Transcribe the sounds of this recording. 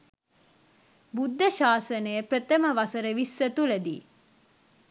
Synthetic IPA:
bud̪ːəʃaːsənəjəprət̪əməʋasəɾəʋisːət̪uləd̪iː

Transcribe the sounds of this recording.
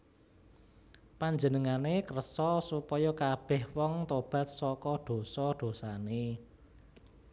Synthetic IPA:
paɲd͡ʒənəŋanekərsɔsupɔjɔkab̥ɛhwɔŋt̪ob̥ä̤t̪̚sɔkɔɖ̪̥o̤sɔɖ̪̥o̤sane

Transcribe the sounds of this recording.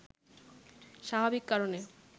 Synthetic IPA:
ʃabʱabikːaɾone

